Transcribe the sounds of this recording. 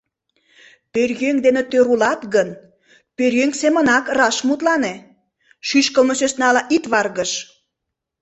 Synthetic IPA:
pørɣøŋkd̪enet̪øɾulɑt̪ɣən | pøɾjøŋksemə̆nɑkrɑʃmut̪lɑne | ʃyʃkəlməsøsnɑlɑʔit̪βɑrɣəʃ

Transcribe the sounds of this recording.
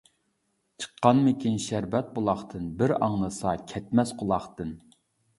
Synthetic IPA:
t͡ʃʰə̥qʰːɑnmɪkʲinʃæɾbɛt̪̚bolˠɑχt̪ʰɨnbɪɾɑ̰ŋnˠɨsɑkʲʰɛt̪̚mɛsqʰʊlˠɑχt̪ɨn

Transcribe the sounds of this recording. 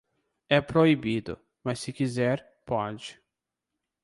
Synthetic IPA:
ɛpɾoibid̪ʊ̰ | mɐsːɪkizɛɾ | pɔd͡ʒɪ

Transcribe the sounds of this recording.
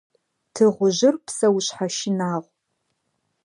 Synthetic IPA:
tʰɨʁʷʊʑɪrpʰsɐwɕħaʃɪnaːʁʷ

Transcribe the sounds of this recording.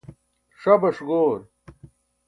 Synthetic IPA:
ʂɐbɐʂɡoːɾ

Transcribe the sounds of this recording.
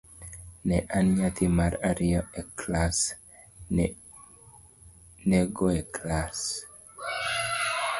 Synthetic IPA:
nɛʔanɲat̪imaɾaɾioeklas | neɡoeklas

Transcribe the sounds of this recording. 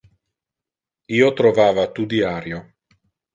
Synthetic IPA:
iːot̪ɾovaːvat̪ud̪iaːɾjo

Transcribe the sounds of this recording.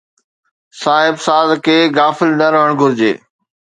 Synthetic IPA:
saːɦɪbsaːzkʰeːɡaːfɪlnɐɾəəɽ̃ɡʱʊɾɪd͡ʑḛː

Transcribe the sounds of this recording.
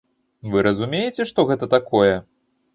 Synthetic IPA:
vɨɾɐzumʲejet͡sʲɛʂt̪ɔɣɛt̪ɐt̪akɔjɛ

